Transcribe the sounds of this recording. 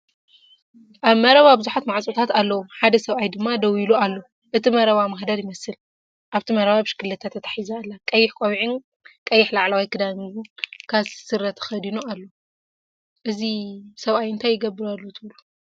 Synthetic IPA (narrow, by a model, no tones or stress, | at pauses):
ʔaβmɐɾɐβabɨzuħat̪maʕt͡sʼot̪ʰat̪alːɐwuħad̪ɐsɐβʔajd̪ɨmːad̪ɐwilualːo | ʔɨt̪ʰimɐɾɐβamahd̪aɾjɪmɐsɨl | ʔaβt̪ʰimɐɾɐβabɨʃkɨlːɐt̪ʰat̪ʰːɐt̪ʰḁħizaːlːakʼɐjːɪħkʼowʕin | kʼɐjːɪħlaʕlawijkɨd̪ankʰasɨɾːɐt̪ʰxɐd̪inoalːo | ʔɨzisɐβʔajɨnt̪ʰajːɪɡɐbːɨɾalːot̪ʰɨβlu